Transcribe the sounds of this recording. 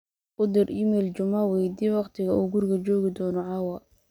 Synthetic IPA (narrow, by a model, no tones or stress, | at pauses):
ʔʊd̪ɪrɪmɛlt͡ʃʊmɐwɛjd̪iːwɑqt̪ʰɪɣɐʔuːɡʊrkɐt͡ʃɔːɣɪd̪ɔːnɔʕɑwɐ